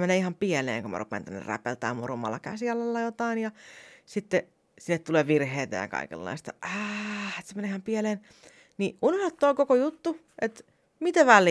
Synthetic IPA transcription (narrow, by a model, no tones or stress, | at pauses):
meneːihɑmpielḛːŋkomɑ̰rupḛːnt̪ænːḛræ̰pelt̪æ̰ːmorumɑ̰lːɑkæsiɑlːɑlːɑjot̪ɑinjɑsit̪ːe | sinːet̪t̪uleːʋirheːt̪æ̰jɑ̰kɑ̰ikḛlːɑ̰ist̪ɑɑet̪semeneːihɑmpieleːn | niʔunohɑt̪ːoːkokojut̪ːu | ʔet̪ | mit̪æʋælˑː